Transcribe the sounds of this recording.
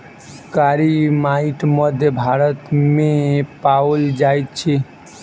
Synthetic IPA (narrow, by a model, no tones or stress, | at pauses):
kaɾimaiʈməd̪ʱjəbʱaɾət̪mepawəld͡ʒajt̪̚t͡ʃʰi